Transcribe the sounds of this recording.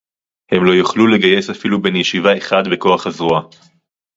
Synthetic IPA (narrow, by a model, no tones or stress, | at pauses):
he̞mlo̞juχlule̞ɡaje̞safilube̞njeʃivaeχad̪be̞ko̞aχhazʁua